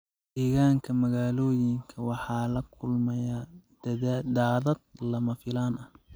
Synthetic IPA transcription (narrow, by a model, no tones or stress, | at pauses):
d̪̥ɛːɣaːŋkʰɐmɐɣaːlɔːjɪŋkʰɐwɑħɑːlɐkʰʊlmɛjḁ | d̪aːðɐd̪̚lɐmɐfɪlaːnɐh